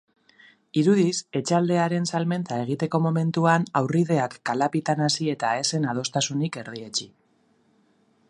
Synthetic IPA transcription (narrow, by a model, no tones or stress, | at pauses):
iɾuðise̞t͡ʃald̪e̞aɾe̞nsalme̞nt̪ae̞ɣ̞it̪e̞ko̞mo̞me̞nt̪uanawriðe̞akːalapit̪anasie̞t̪ae̞se̞nað̞o̞st̪asunike̞ɾðie̞t͡ʃi